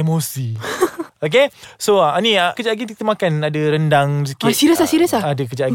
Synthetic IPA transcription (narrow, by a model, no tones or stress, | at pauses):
emosi | ok̬esoaanĩakəd͡ʒaʔaɡint̪̬it̪əmakanadaɾəndaŋs̬əkiasiɾəsasiɾəsaadəkəd͡ʒa